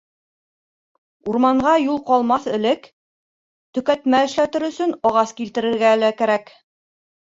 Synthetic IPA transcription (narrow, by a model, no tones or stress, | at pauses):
uɾmɑɴʁɑjulˠqɑlˠmɑθɘ̆lɘk | t̪ɵ̆kæt̪mæɘ̆ʃlæt̪ɘɾɵ̆sɵnɑʁɑskilt̪ɘ̆ɾɘ̆ɾɡælækæɾæk